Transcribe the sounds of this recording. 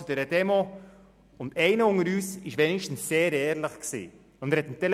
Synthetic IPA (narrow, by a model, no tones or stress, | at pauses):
ʊdɛːɾəd̥ɛmo | ʊndɛɪnəʊŋəɾyːsɪʃʋɛnɪʃtn̩sːeːɾɛːɾləχksḭː | ʊnd̥ɛɾhɛt̪mtɛl